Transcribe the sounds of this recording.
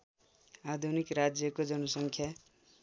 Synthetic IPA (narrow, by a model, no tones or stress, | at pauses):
ad̪ʱunikrad͡zjʌkod͡zʌnʌsʌŋkʰja